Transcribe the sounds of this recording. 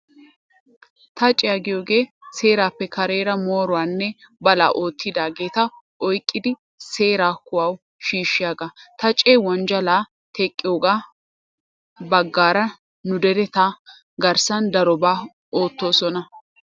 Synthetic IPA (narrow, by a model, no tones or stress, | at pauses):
t̪ɐt͡ʃʼɪjaɡɪjoːɡe̞ːse̞ːɾaːpːɛkɐɾe̞ːɾɐmo̞ːɾʊwaːnːɛ | bɐla̰ːʔo̞ːt̪ʰːɪd̪aːɡe̞ːt̪ɐ | ɔjkʼːɪd̪ɪ | se̞ːɾaːkʊwɐw | ʃiːʃːɪjaːɡat̪ɐt͡ʃʼeːwɐnd͡ʒɐlaː | t̪ʰɛkʼːɪjoːɡaː | bɐɡːaːɾɐ | nʊd̪ɛɾɛt̪ɐ | ɡɐɾsɐnd̪ɐɾɔbaː | o̞ːt̪ːo̞ːsɔnɐ